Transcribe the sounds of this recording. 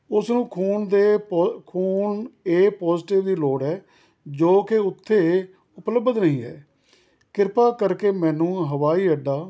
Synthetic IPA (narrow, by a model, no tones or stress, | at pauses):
ʊsnũːkʰuːnd̪eːkʰuːneːpɔːzʈɪʋd̪iːloːɽɛː | d͡ʒoːkeʊt̪ʰːeː | ʊpləbəd̪nəɦĩːɛ̰ː | kɪɾpaːkəɾkeːmɛ̃ːnũːɦəʋaːiːəɖaː